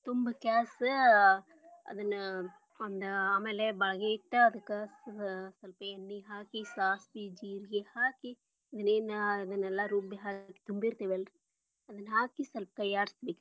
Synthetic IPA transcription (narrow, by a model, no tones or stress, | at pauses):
t̪umbɐkaːs | ɐ̰d̪ɨn | ɐnd̪aːmeːlebaːɡet̪ːɐɐd̪ɨkɐssɐlpenːiɦaːkisaːspid͡ʒiːɾɡehaːki | ɐd̪ɨneːnɐd̪ɨnɛlːaɾuːbiɦaːki̥t̪umbiɾt̪eːʋelɾ | ɐd̪ɨnɦaːkisɐlp̚kɐjaːɾst̪d̪ik